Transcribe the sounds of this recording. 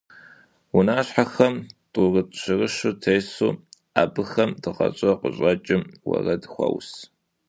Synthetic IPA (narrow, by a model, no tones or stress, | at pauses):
wʊnaːɕħaxɐmtʼʊrɨtʼɕɪrɨʃʊtʰejsṵː | aːbɨxɐmdɨqɐt͡ʃʼɐqəɕʼɐt͡ʃʼɪmwɐ̰rɐdxʷɔ̰ws